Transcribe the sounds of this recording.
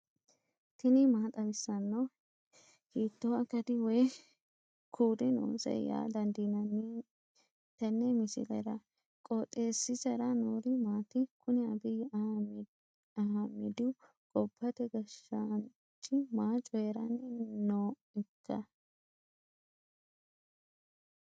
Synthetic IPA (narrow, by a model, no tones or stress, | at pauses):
t̪ɪnɪmaːt̪ʼɐbɪsːɐnːɐ | hiːt̪ːoɐkːɐt̪ɪwɔj | kʰuːd̪ɪno̰ːsɛ̰ja̰ːd̪ɐnd̪inɐn | t̪ɐnːɛmɪsɪ̰lɛ̰ɾɐ | kʼot̪ʼːeːsːɪsɐɾɐnoːɾɪmaːt̪ɪkʊnɛɐbɪj | ɐhɐmːɪd̪ɪ | kʼɔpːɐt̪ɛɡɐʃːɐn | t͡ʃʼːɪmaːt͡ʃʼːɔjeɾɐnɛnoː | ɪkʰːɐ̰